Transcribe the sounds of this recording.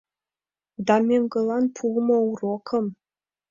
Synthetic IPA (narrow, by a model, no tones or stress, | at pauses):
d̪ɑmʲeŋɡɤ̆lˠɑnpʰulmɤ̆urokʰɤ̆m